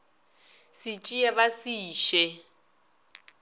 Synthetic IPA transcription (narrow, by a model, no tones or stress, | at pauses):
sit͡ʃʼiɛβasiːʃɛ